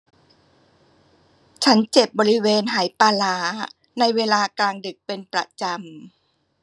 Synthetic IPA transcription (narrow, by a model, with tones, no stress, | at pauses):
t͡ɕʰa˦˥nt͡ɕe˨˩p̚bɔː˧ɾi˦˥weː˧nɦaː˩˦jpaː˧laː˦˥ | na˧jweː˧laː˧klaː˧ŋdɯ˨˩k̚pe˧npɾa̰˧t͡ɕa˧m